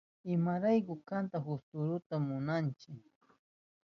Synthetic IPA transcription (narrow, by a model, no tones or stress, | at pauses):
ɪmaɾajkʊkant̪ahʊst̪ʊɾʊt̪amʊnant͡ʃɪk